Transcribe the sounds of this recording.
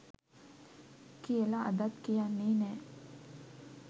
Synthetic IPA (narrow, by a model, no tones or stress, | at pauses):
kijəlaʔa̰d̪at̪kijanːeːnɛː